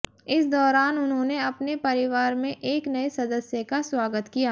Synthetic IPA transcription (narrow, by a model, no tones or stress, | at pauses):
ɪsd̪ɔːɾaːnʊnɦõːneɐpnepɐɾɪʋaːɾmẽʔeːknɐesɐd̪əsjəkaswaːɡət̪kija